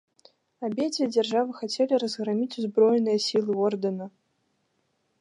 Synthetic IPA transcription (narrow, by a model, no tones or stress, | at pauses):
abʲed͡zʲvʲid͡zʲɛrʐavɨxat͡sʲelʲiɾɐzɣɾamʲit͡sʲuzbɾɔjɛnɨjɐsʲilˠɨɔrd̪ɐnɐ